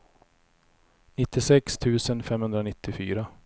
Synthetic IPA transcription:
nɪt̪ːɪsɛkst̪ʰʉ̟ːsənfɛmhɵnd̪ɾanɪt̪ʰːɪfy̰ːɾa

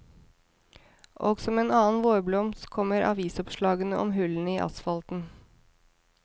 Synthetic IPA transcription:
ʔoːɡsɔmeːnɑːnʋoːɾblɔmskʰɔməɾʔɑ̰ʋiːsɔpʃlɑːɡənəʔɔmɦʉln̩iːʔɑ̰sfɑlt̪n̩

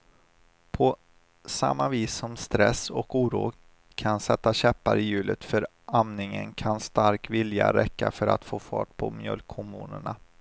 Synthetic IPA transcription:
pʰɔ | sa̰mːaviːsɔmst̪ɾɛsɔkuːɾṵː | kʰansɛt̪ːaɕɛpːaɾɪjʉ̟ːlət̪fœɾ | amnɪŋənkʰanst̪aɾkvɪlja̰ɾɛkːafœɾa̰t̪foːfɑ̰ːʈ̚pʰɔmjœ̰lkʰːɔmṵːnəɳa

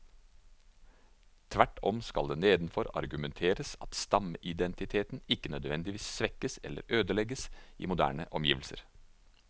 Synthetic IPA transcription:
t̪ʰʋæʈːɔmskɑld̪eːneːd̪n̩fɔɾɑ̰ɾɡʉmɛnt̪ʰeːɾəsɑt̪st̪ɑməʔɪd̪ɛnt̪ɪt̪ʰeːt̪n̩ɪkːənœd̪ʋɛnd̪ɪʋiːssʋɛkəsɛ̰lːʔə̰ɾøːd̪əlɛɡəsḭːmʊd̪æ̰ːɳə̰ʔɔmjiːʋlsə̰ɾ

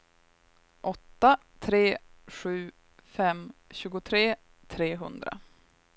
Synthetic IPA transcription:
ʔɔt̪ːa | t̪ʰɾeːɧʉ̟ː | fɛmɕʉ̟ːɡʊt̪ʰɾeː | t̪ʰɾeːɦɵ̰nd̪ɾa̰

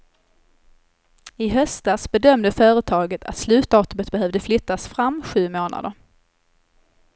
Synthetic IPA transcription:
ɪɦœst̪asbɛd̪œmd̪əfœːɾət̪ʰɑːɡət̪ʰa̰t̪slʉ̟ːt̪d̪ɑːt̪ɵmət̪̚bɛɦœvd̪əflʏt̪ːasfɾamːɧʉ̟ːmoːna̰d̪əɾ

